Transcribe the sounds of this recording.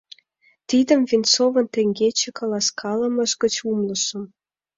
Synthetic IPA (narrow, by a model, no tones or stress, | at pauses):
t̪id̪əmvint͡sovə̆nt̪ĕŋɡet͡ɕĕkɑlɑskʰɑlə̆mə̆ʒɡə̆t͡ɕumlə̆ʃə̆m